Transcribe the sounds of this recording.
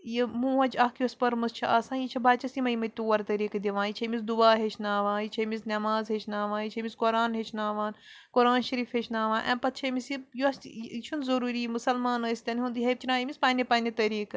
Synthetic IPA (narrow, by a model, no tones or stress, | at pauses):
jimũːɐd͡ʒɐkʰjuɐspɐɾmɐst͡ʃʰɐʔasãːjit͡ʃʰɐbaːt͡ʃɐsimɐjimɐjt̪uːɐɾt̪ɐɾiːkd̪iʋãːnjit͡ʃʰɐmisd̪ubaːɦeːt͡ʃʰnaːʋãːjit͡ʃʰɐmisnʲɐmaːzɦeːt͡ʃʰnaːʋãːjit͡ʃʰɐmiskoɾaːnɦet͡ʃʰnaːʋaːnkoɾaːnʃɐɾiːfɦeːt͡ʃʰnaːʋãːnʔɛ̰ːpɐt̪̚t͡ʃʰɐmisjijuɐst͡ʃʰunzɐɾuːɾiːmusɐlmaːnɐːsʲt̪ʲɐnɦũnd̪iɦeb̚t͡ʃʰinaːimʲisʲpaːnepaːnit̪ɐɾiːk